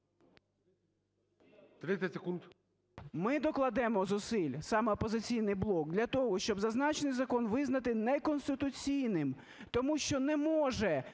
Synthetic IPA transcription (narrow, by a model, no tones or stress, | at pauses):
t̪ɾɪɛtʲsekunt̪ | mɪd̪ɔklˠɐd̪ɛmɔzʊsɪlʲsɑmɛɔpɔzɪt͡sʲijnɪjblˠɔk̚d̪lʲɐt̪ɔɦɔʃt͡ʃɔbzɐznɑt͡ʃenɪjzɐkɔnʋɪznɐt̪ɪnɛkɔnst̪ɪt̪ʊt͡sʲijnɪm | t̪ɔmuʃt͡ʃɔnɛmɔʒɛ